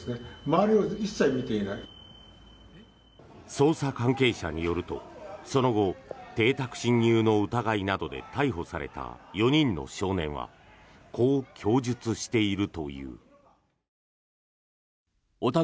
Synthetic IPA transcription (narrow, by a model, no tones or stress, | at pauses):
nemaːɾʲioisːaimʲit̪einai | so̞ːsakãŋke̞ːɕa̰ɲ̟ijo̞ɾɯ̟t̪o̞̰so̞no̞ɡo̞t̪e̞ːt̪akɯ̟̥ɕĩɲ̟ːɨːno̞ɯ̟t̪aɡainad̪o̞d̪e̞̰t̪aiɦo̞saɾe̞̰t̪a̰jo̞ɲ̟ĩnːo̞̰ɕo̞ːnẽ̞ɰ̃βa̰ | kʰo̞ːkʲʰo̞ːʑɨt͡sɨɕi̥t̪e̞iɾɯ̟t̪o̞̰jɯ̟̰ː | ot̪a